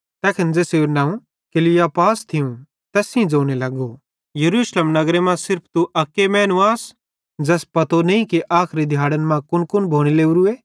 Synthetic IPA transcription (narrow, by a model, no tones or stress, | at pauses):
t̪ɛːkʰɪnd͡zɛːseuɾnãːũ | kɪlɪjapaːst̪ʰɪũ | t̪ɛːsĩd͡zoːñelɐɡo | jɐɾuːʃleːmnɐɡɾemãsɪɾpʰt̪uʔɐkːemɛ̃ːnuaːs | d͡zɛːspɐt̪oneĩkiʔaːkʰɾid̪ʱjaːɽənmãkʊnkʊnbʱoːɽ̃ileːuɾueː